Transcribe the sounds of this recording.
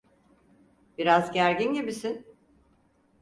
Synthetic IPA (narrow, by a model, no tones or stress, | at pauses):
b̥iɾazɟæɾɟinɟibisin